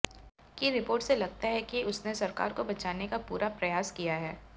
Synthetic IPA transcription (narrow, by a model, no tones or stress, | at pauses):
kiɾɪpoːɾʈselɐɡ̚t̪aɦɛkiʊsnesɐɾka̰ːɾkobɐt͡ʃaːnekapuːɾʔapɾɐjaːskijaɦɛː